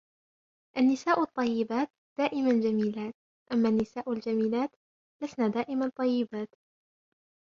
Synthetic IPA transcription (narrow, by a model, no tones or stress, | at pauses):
ʔanːɪsaːʔʊɑt̪ˤːɑjːɪbaːt̪ | d̪̥aːʔɪmand͡ʒamiːlaːt̪̚ | ʔamːaːnːɪsaːʔald͡ʒamiːlaːt̪ | lasnaːd̪aːʔɪmant̪ˤːɑjːɪbaːt̪